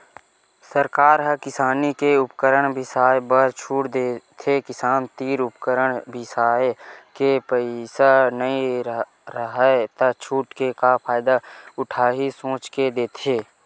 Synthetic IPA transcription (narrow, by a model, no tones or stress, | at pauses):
səɾkaːɾɦəkɪsaːnikeʊpkəɾəɽ̃bʱɪsaːjbəɾt͡ʃʰuːʈd̪et̪ʰekɪsaːnt̪iːɾʊpkəɾəɽ̃bʱɪsaːkepəɪsanəĩ | ɾəɦət̪at͡ʃʰuːʈkekapʰaːɪd̪aʊʈʰaːɦisõːt͡ʃked̪eːt̪ʰeː